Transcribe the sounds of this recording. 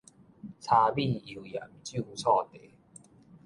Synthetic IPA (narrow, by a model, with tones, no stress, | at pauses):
t͡sʰa˧bi˥˧i˨˩ja̰˨˩mt͡ɕju˥˧t͡sʰɔ˥˧t̪e˨˩˦